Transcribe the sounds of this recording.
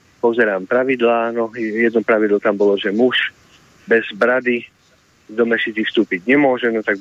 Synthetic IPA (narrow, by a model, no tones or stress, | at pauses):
pɔzɛɾaːmpɾaʋid̪laːnɔjɛd̪nɔpɾaʋid̪lɔt̪ambɔlɔʒɛmuʃ | bɛzbɾad̪i | d̪ɔmɛʃit͡sixfst̪uːpiɟɲɛmʊɔʒɛnɔt̪aɡ̚